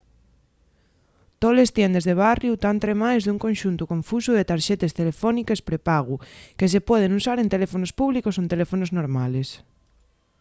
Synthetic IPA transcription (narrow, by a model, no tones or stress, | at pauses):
t̪olest̪jɛnd̪ezðeβ̞arjut̪ant̪ɾemajzðuŋkonʲʃunt̪ʊkõɱfusuðet̪aɾʃɛt̪est̪elefɔnikespɾepaɣukes̬epwɔð̞enusaɾẽnt̪elefonospuβlikosoent̪elefonoznoɾmales